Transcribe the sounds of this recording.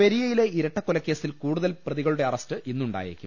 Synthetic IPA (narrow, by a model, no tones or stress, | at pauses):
eɾijɐjile̞iɾɐʈːɐkːolɐkːe̞ːsilkuːɽuðɐlprɐðiɣɐɭuɽeɐrɐstɨʔinːuɳɖa̰ːjḛḭkʲːṵ